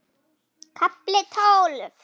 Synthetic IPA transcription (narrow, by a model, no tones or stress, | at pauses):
kʰaplet̪ʰalf